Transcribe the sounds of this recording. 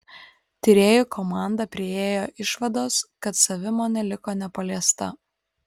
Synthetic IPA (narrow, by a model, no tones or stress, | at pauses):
t̪ʲɪɾʲeːjʊkʰɔmɑˑnd̪ɐpʲɾʲɪeːjoːʔɪʃʋɐd̪oːskɐt̪sɐʋʲɪmoːnʲɛlʲɪkoːnʲɛpɐlʲiɛst̪ɐ